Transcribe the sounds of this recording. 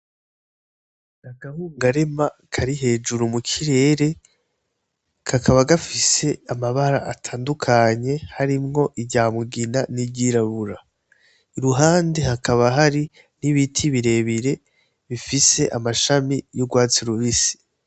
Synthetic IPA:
aɡahuːŋɡaɾe̞makʰaɾiɦe̞ːd͡ʒuɾumukʰiɾe̞ːɾe̞ | kʰakʰaβaɡafise̞amaβaɾa̰ʔatʰaːndukʰaɲe̞haɾimŋo̞ʔiɟaːmuɡinanibɟiɾaβuɾa | iɾuɦaːnde̞hakʰaβaɦaɾi | niβitʰiβiɾe̞ːβiɾe̞ | βifise̞ʔamaʃamijoɡwaːt͡siɾuβisi̥

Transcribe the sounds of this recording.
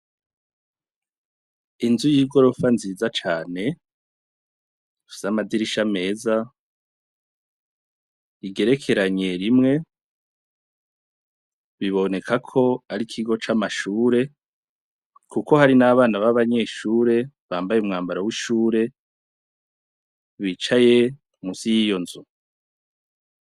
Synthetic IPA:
inzujiːɡo̞ɾo̞fanziːzat͡ʃaːne̞ | fiz̥amadiɾiʃame̞ːza | iɡe̞ɾe̞kʰe̞ɾaɲe̞ɾimŋe̞ | βiβo̞ne̞kʰakʰo̞aɾikʰiɡo̞t͡ʃamaʃuːɾe̞ | kʰuko̞haɾinaβaːnaβaβaɲe̞ːʃuːɾe̞βaːmbajeumŋaːmbaɾawiʃuːɾe̞ | βiːt͡ʃaje̞ | musijijo̞nzu

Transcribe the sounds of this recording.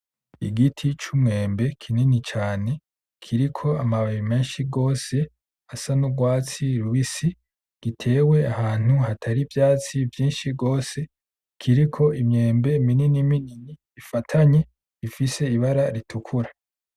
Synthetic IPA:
iɡitʰit͡ʃumŋe̞ːmbe̞kʰininit͡ʃaːne̞ | kʰiɾikʰo̞amaβiime̞ːnʃiɡo̞ːse̞ | asanuɡwaːt͡siɾuβisi | ɡ̥itʰe̞ːwe̞ahaːn̥huhatʰaɾivjaːt͡sivjiːnʃiɡo̞ːse̞ | kʰiɾikʰo̞imɲe̞ːmbe̞mininimininiːfatʰaɲe̞ | ifise̞iβaɾaɾitʰukʰuɾa

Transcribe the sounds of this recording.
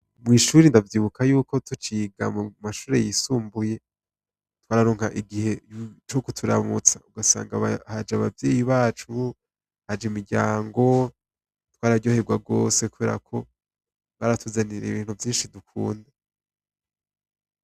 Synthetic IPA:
mŋiːʃuɾindavjiːβukʰajuːko̞tut͡ʃiɡa̰mumaʃuːɾe̞̰jisuːmbuje̞ | twaːɾaɾo̞ːŋhaʔiɡihe̞t͡ʃokutʰuɾa̰mut͡sauɡasa̰ːŋɡahad͡ʒaβavje̞ːjiβaːt͡ʃu | had͡ʒimiɟa̰ːŋɡo̞ | twaːɾaɟo̞ːhe̞b̚ɡwaɡo̞se̞kuβe̞ːɾa̰kʰo̞ | βaɾatʰuzaniɾḛḭβiːn̥huvjiːnʃidukʰuːnde

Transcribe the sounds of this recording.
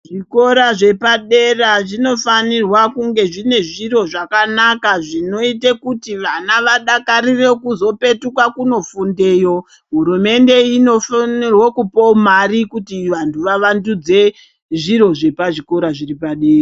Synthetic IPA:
ʐiko̞ɾaʐe̞paɗe̞raʐino̞fanirwakuŋɡe̞ʐine̞ʐiɾo̞ʐakanakaʐino̞itekutiʋanaʋaɗakaɾire̞kuzo̞pe̞tukwakuno̞funde̞ːjo̞ | ɦuɾume̞nde̞ino̞fnirwokupomarikutiʋantʰuʋaʋandud͡ze̞ | ʐiɾo̞ʐe̞paʐiko̞ɾaʐiripaɗeːra

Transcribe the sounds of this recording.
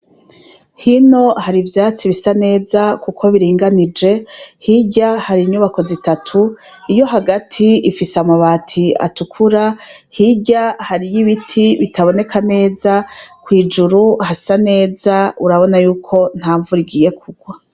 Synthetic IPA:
hino̞haɾivjaːt͡siβisane̞ːzakukʰo̞βiɾiːŋɡanid͡ʒe̞hiɟahaɾiɲuβako̞zitatʰuijo̞ɦaɡatʰiifisamaβaːtʰia̰tukʰuɾahiɟahaɾijiβitʰiβitaβo̞ne̞kʰane̞ːzakwiːd͡ʒuɾuhasane̞ːzauɾaβo̞najuːkʰo̞n̥haːɱvuɾiɡiːje̞kʰuɡwa

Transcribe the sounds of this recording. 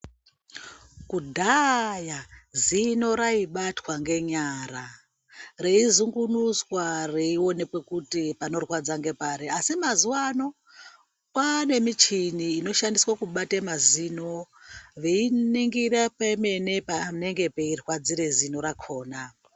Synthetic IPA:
kudʱajazino̞ɾaiɓatwaŋɡe̞ɲara | reizuŋɡunuswareio̞ne̞kwe̞kutipano̞rwad͡zaŋɡe̞paɾeasimazuwano̞ | pane̞mit͡ʃiniːno̞ʃandiswakuɓatemaziːno | ʋeiniŋɡirepeme̞ne̞pane̞ŋɡe̞peirwad͡ziɾezino̞ɾakʰo̞ːna

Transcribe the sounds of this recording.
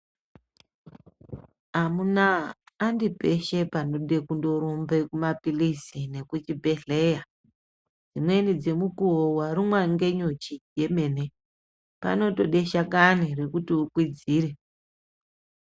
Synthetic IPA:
amunaː | ndipe̞ʃe̞pano̞ɗe̞kundo̞ɾombe̞kumapilisine̞kut͡ʃibʱeɬeja | d͡zimwe̞nid͡ze̞mukuwowaɾimwaŋɡe̞ɲot͡ʃije̞me̞ne | pa̰no̞to̞ɗe̞ʃakanire̞kutiukwid͡ziːɾe

